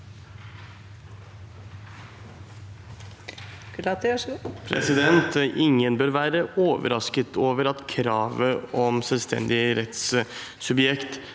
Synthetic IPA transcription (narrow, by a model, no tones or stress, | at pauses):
klɑt̪ːʂpʰɾɛ̰sɪd̪ɛnt̪ʔɪŋːənbœɾʋæːɾəoːʋə̰ɾɑskət̪ʰoːʋəɾɑt̪kʰɾɑːʋəɔmsɛlst̪ʰɛ̰nd̪ɪəɾɛt̪ssʉbjɛkt̪